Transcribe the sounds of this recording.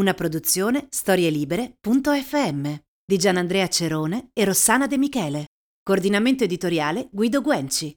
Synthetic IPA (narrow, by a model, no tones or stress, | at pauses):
unapɾod̪ut̪sːjoːnest̪ɔːɾjeliːbeɾepunt̪oɛfːeɛmːe | d̪id͡ʒanːand̪ɾɛːat͡ʃeɾoːneːrːosːaːnad̪emikɛːle | koːrd̪inament̪oed̪it̪oɾjaːleɡwiːd̪oɡwɛnt͡ʃi